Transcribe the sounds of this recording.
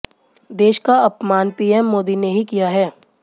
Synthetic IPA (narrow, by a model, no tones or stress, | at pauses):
d̪eːʃkaɐpmaːnpiːɛmːoːd̪ineɦikijaɦɛː